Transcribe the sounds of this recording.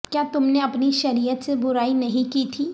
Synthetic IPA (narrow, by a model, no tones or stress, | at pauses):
kjaːt̪ʊmneɐpniʃɐɾijət̪sebʊɾaːinɐɦĩkit̪ʰiː